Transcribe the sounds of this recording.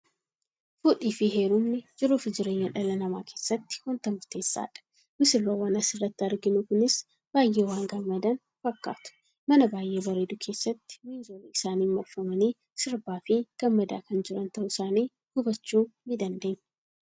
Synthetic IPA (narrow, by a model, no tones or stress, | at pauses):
fʊᶑʼiːfɪɦeːɾʊmnɪd͡ʒɪɾuːfɪd͡ʒɪɾe̞ːɲːɐᶑɐlɐnɐma̰ːkʰe̞ːsːɐt̪ːɪ̥hʊnt̪ɐmʊɾt̪e̞ːsːa̰ːᶑɐ̥ | mɪsɪrːoːwɐnɐsɪrːɐt̪ːɪɐɾɡɪnukʊnɪs | b̥aːjːeːwaːŋɡɐmːɐd̪ɐn | fɐkːa̰ːt̪ʊ̥ | mɐnɐbaːjʔe̞ːbɐɾed̪ʊkʰe̞ːsːɐt̪ːɪ̥miːzoːleɪsaːniːnmɔfːɐmɐniː | sɪɾbaːfɪɡ̥ɐmːɐd̪a̰ːkɐnd͡ʒɪɾɐnt̪ɐʔʊɪsaːniː | ɡ̥ʊbɐt͡ʃːuːmɪd̪ɐnd̪eːɲː